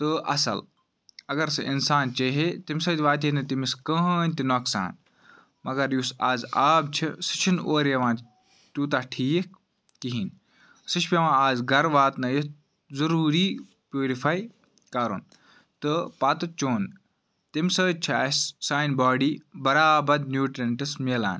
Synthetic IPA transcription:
t̪ɨʔɐ̰sɐ̰l | ɐɡɐɾsɐʔɪnsaːnt͡ʃeɦet̪imʲsɐːt̪ʲʋaːt̪̬inɐt̪imiskə̃ɦːnʲt̪inoːksa̰ːn | mɐɡɐɾjusaːzaːbt͡ʃʰisɨ̥t͡ʃʰinoːɾɐʋãːn | t̪uːt̪aʈʰiːk̚ | kiɦin | sɨt͡ʃʰpʲeʋãːaːzɡɐɾʋaːt̪nɐjit̪ | zɐɾuːɾiː | pjoːɾifaːi | kaːɾṵn | t̪ɨpaːt̪ɨt͡ʃoːn | t̪imsəːt͡ʃʰiɐssaːjnbaːɖiːbɐɾaːbɐd̪njuːʈɾeɳʈɨsmela̰ːn

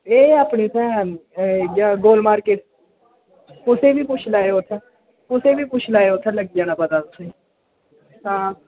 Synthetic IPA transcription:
eːaːpneːsɛ̃ːɦənɡaːɡoːlmaːɾkeːʈ | kʊsẽːbiːpʊt͡ʃʰlaːeoːt̪ʰãː | kʊsẽːbiːpʊt͡ʃʰlaːeoːt̪ʰɛ̃ləɡd͡ʒãːnaːpət̪aːt̪ʊsẽː | hãː

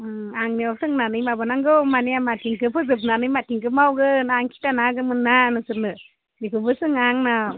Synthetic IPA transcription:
aŋniawsɯŋnanɯjmabɯnaŋɡɯmanijamatʰiŋkɯpʰɯzɯp̬nanɯjmatiŋkɯmawɡɯnaŋkʰi̥tanaɡɯmɯnːanɯsɯɾnɯ | nikʰɯpɯsɯŋaŋna

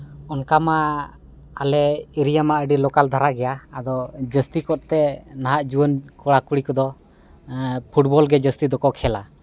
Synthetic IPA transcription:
ɔnkama | alɛiɾijamaəɖilɔkald̪ʱaɾaɡɛjaːd̪ɔd͡ʒəst̪ikɔt̪̚t̪ɛnaɦaʔd͡ʒubənkɔɽakuɽikɔd̪ɔ | pʰuʈ̚bɔlɡɛd͡ʒəst̪id̪ɔkɔkʰɛla

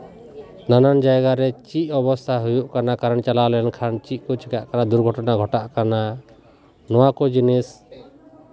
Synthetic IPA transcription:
nanand͡ʒajɡaɾɛt͡ʃiʔɔbɔst̪ʰaɦujuʔkanakaɾənt͡ʃalawlɛankʰaɾnt͡ʃiʔ̚kɔt͡ʃikaʔkanad̪uɾɡʱɔʈɔnaɡʱɔʈaʔkana | nɔwakɔd͡ʒinis

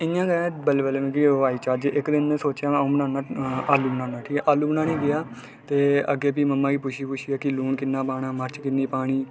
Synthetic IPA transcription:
ɪãːɡə̃ːbəleːbəlemẽːkiʋaːiːt͡ʃaːd͡ʒʔɪkd̪ɪnẽːsoːt͡ʃjãːbənãːnaːaːlːuːbənãːnaːʈʰiːkɛʔaːluːbənãːniːɡɪjaː | t̪eːə̰ɡeːp̬iːməmːãːkiːpʊʃʰiːpʊʃʰiːaːkɪluːɳkɪnːaːpaːɳaːməɾt͡ʃkɪnːiːpaːɽ̃iː

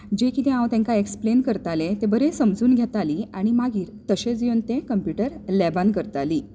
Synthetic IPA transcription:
d͡ʑekit̪ẽãwt̪ɛ̃ŋkaeksplenkəɾt̪alet̪ebəɾesəmd͡zuːnɡʱet̪aliːaɽ̃imaɡiːɾt̪əɕẽd͡ziont̪ẽkəmpjuʈəɾlɛbankəɾt̪aliː

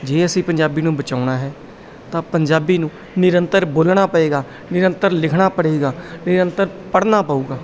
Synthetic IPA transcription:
d͡ʒeːəsĩːpəɲd͡ʒaːbiːnũːbət͡ʃaːʊɽaːɦɛː | t̪ãːpəɲd͡ʒaːbiːnũː | nɪɾənt̪əɾboːlɳaːpəeːɡaː | nɪɾənt̪əɾlɪkʰɳaːpəɽeːɡaːnɪɾənt̪əɾpəɽnaːpaːuːɡaː

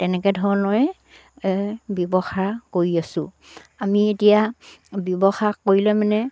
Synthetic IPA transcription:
tɛnɛkɛdʱɔɹɔnɔj | bjɔbɔxakoɹiasʊ̃ | amietijabjɔbɔxakoɹilɛmanɛ

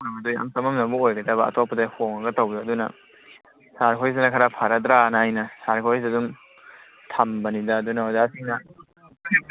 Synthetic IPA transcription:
amɐdojɐ̰msɐmɐmnɐbuojɡɐdɐβɐɐ̰tʰopːɐdɐhoŋɐɡɐtɐwjoɐdunɐ̰ | saɾkʰojzɐnɐkʰɐɾapʰaɾɐdɾanaajnɐsaɾkʰojzɐdum | tʰɐmbɐnidɐdunɐodasiŋnɐ

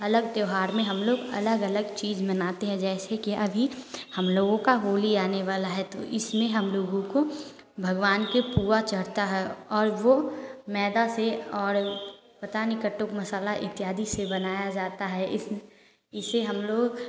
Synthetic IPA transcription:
ɐləɡd̪joːɦaːɾmẽɦɐmloːɡɐ̰ləɡɐləɡt͡ʃiːzmɐnaːt̪eɦɛ̃d͡ʒɛːsekiʔɐbʱihɐmloːɡõkaɦoːliaːneʋaːlaɦɛt̪oʔɪsmẽɦɐmloːɡõko | bʱɐɡʋaːnkepuːɾat͡ʃɐɽ̤t̪aɦɛɔːɾʋomɛːd̪aseɔːɾ | pɐt̪anikəʈːokmɐsaːlaʔɪ̰t̪jaːd̪ʱisebɐnaːjad͡ʒaːt̪aɦɛɪ | ɪseɦɐmloːɡ

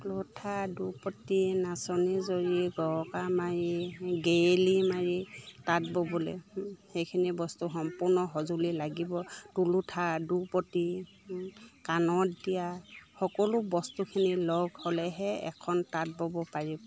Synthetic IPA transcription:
lutʰadupɔtinasɔnizoɹiɡɔɔkamaɹiɡejlimaɹitat̚bɔbɔlɛ̰hejkʰinibɔstuxɔmpʊnɔɦɔzulilaɡibɔtulutʰadupɔti | kanɔtdijaxɔkɔlʊbɔstukʰinilɔɡhɔlɛɦɛɛ̰kʰɔntat̚bɔbɔpaɹibɔ

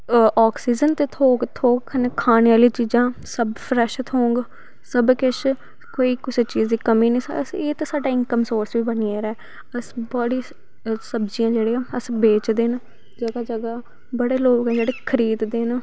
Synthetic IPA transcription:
ɔːksiːd͡ʒənt̪eːt̪ʰoːkt̪ʰoːkkʰənːkʰaːnejaːliːt͡ʃiːzãːsəbpʰɾɛʃt̪ʰɦõːŋɡ | səbkɪt͡ʃ | koːiːkɪseːt͡ʃiːzd̪iːkəmiːnĩːsəseːt̪esaːɖaːɪŋkəmsoːɾsʋiːbənieːɾɛː | əsbəɽiː | səbd͡ʒijãːd͡ʒeːɽeːãːəsbeːt͡ʃd̪eːn | d͡ʒəɡaːd͡ʒəɡaː | bəɽeːloːkɛːd͡ʒeːɽeːkʰəɾiːd̪d̪eːn

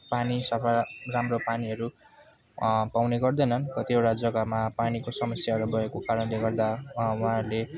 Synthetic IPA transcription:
panisʌpʰaramropaniɦʌɾu | pawneɡʌrd̪ʌjnʌnkʌt̪iewʈad͡zʌɡamapanikosʌmʌsjaɦʌɾubʌekokaɾʌnleɡʌrd̪awʌɦãrle

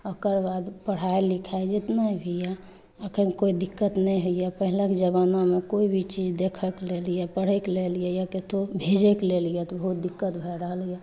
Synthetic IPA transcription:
əkəɾbad̪pəɽ̤aelikʰaed͡ʒet̪naibʱija | əkʰənkoid̪ikːət̪nəjɦoijapəɦilekd͡ʒəβanomekoibʱit͡ʃid͡ʒd̪ekʰəklelijapəɽ̤eklelijɛjaket̪obʱed͡ʒeklelijɛt̪ɔbəɦut̪̚d̪ikːət̪bʱeɾəɦəlija

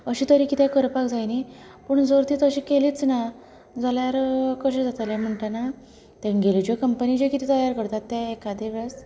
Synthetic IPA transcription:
əɕiːt̪əɾikit̪ʰɛ̃kəɾpakd͡zajni | pəɳd͡zoɾt̪iːt̪əɕiːkeliːt͡sna | d͡zaljaɾkəɕẽd͡zat̪alem̤əɳʈana | t̪ẽnɡelid͡ʑekəmpənid͡ʑekit̪ʰit̪əjaɾkəɾt̪at̪ːeːkad̪eʋəs

